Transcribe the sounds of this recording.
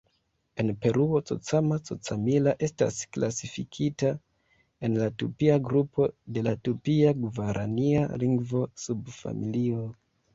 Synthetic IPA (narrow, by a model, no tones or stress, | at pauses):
e̞npe̞ɾʔuo̞t͡so̰t͡samat͡so̰t͡samilaʔe̞sta̰sklasifikʰita | e̞nlatupiaɡɾupʰo̞de̞latupiaɡuvaɾʔania̰liŋɡvo̞subfa̰milio